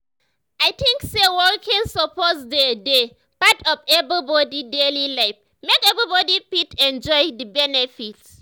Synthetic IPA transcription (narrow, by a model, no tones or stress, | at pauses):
ʔajtʰĩŋksewɔlkʰɛ̃nsɔpʰɔtsdəde | patʰɔfɛbɹibɔdidelilaɪf | mekɛbɹibɔdipitʰɛ̃nd͡ʒɔjdəbɛnɛfits